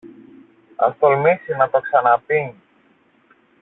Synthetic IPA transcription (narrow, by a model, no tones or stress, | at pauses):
ɐ̰nt̪olmisinɐt̪oksɐnapiŋ